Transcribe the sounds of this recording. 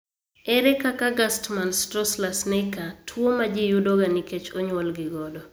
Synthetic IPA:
ɛɾɛkakaɡastmanstɾɔslasnekatʰwomad͡ʒɪjudoɡaniket͡ʃoɲwɔlɡɪɡɔdɔ

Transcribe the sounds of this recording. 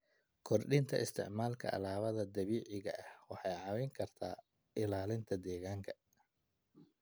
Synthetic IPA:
kʰɔrɖɪnt̪ʰɐ̰ʔɪst̪ʰɪ̰ʕmaːlkʰɐ̰ʔɐ̰laːβɐðɐd̪ɐβiːʕɪɣɐʔɐhwɑħɑjʕɑwɛjŋkʰɐrt̪ʰaː | ɪlaːlɪnt̪ʰɐd̪ɛːɣaːŋkʰɐ̥

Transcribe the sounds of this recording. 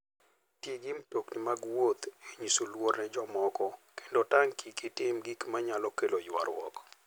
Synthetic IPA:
tjeɡɪmtoknɪmaɡwot̪eɲisolwoɾnɛd͡ʒɔmɔkɔke̥ndotaŋkʰikitɪmɡikmaɲalɔkelojwa̰ɾwɔ̰k

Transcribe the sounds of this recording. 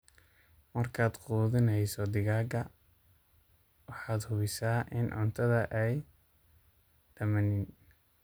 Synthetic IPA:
mɐrkʰaːd̪quːðɪnɛjsɔd̪ɪɣaːɡɐ | wɑħɑːd̪hʊβɪsaːʔɪnʕʊ̰nt̪ʰɐðɐʔɛj | ɖ̥ɐmɐnɪn

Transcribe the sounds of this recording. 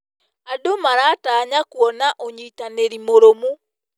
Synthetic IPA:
adomaɾaːtaːɲakwɔnaʔoɲiːtaneɾimoɾomu

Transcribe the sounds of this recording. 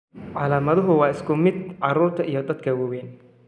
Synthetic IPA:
ʕɑlaːmɐðʊɦʊwɑːɪskʰʊmɪd̪ʕɑɾuːɾt̪ʰɐʔijɔd̪ɐd̪kʰɐwɐwɛːn

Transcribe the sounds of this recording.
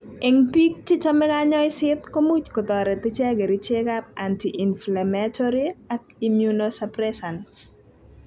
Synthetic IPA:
eŋpik̚t͡ʃɪt͡ʃɔmɛɡaɲɔjɪsɪt̪komut͡ʃkɔt̪ɔɾɛt̪ɪt͡ʃɛɡɛɾit͡ʃeɡapantiʔinflamatʰɔɾiak̚imjunosapɾɛsans

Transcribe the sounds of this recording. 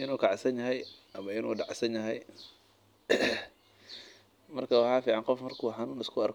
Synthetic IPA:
ʔɪnuːkʰaʕsɐnjɐɦɛjʔɐmɐɪnṵːɖɑʕsɐnjɐɦɛj | mɐrkɐwɑħaːfiːʕɑnqɔfmɐrkʰuːħɑnuːnɪskʰʊɐrk

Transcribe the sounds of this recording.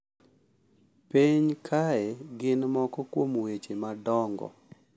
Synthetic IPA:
peɲkʰaɛɡɪnmɔkɔkwomwet͡ʃemadɔŋɡɔ̰

